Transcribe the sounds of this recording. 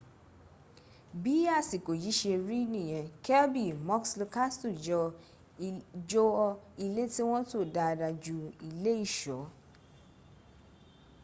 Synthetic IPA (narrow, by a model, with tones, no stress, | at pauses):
bi˨˦a˦˨si˨ko˨ji˨˦ʃe˧ɾi˦nĩ˦˨j̃ɛ̃˨kɛ˦lbi˦˨mɔ˦kslu˧ka˦stu˦˨d͡ʒɔ˧ | d͡ʒɔ˦ɔ˧i˧le˦ti˦w̃ɔ̃˦to˦˨da˧da˧d͡ʒu˧i˧le˦i˦˨ʃɔ˨˦